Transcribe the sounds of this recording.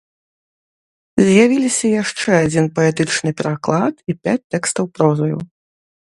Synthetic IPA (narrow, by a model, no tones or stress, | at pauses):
zʲjavʲilʲisʲɐjaʂt͡ʂɛad͡zʲinpɐɛt̪ɨt͡ʂnɨpʲɛɾaklˠat̪ipʲat͡sʲt̪ːɛkst̪ɐwpɾɔzɐjṵ